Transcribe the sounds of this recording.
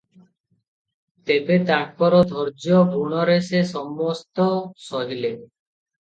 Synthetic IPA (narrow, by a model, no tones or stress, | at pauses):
t̪ebet̪aɾpɔɾod̪ʱɔɾd͡ʑopuɽ̃ɔɾeseʃɔmːɔst̪ɔsɔɦile